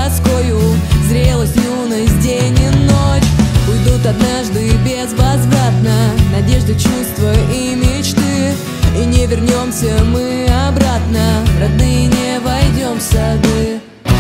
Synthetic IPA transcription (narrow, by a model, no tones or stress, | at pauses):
ɐt̪skojʊzɾʲe̞lˠəsʲtʲjunəsʲdʲenʲɪnot͡ɕʊjd̪ut̪ad̪naʐd̪ɨbʲezvɐzvɾat̪nənɐdʲe̞ʐd̪ɨt͡ɕust̪vəimʲɪt͡ɕt̪ɨ | inʲɪvʲɪrnʲo̞msʲəmɨɐbɾat̪nərad̪nɨjənʲevɐjdʲo̞msʲɐbɨ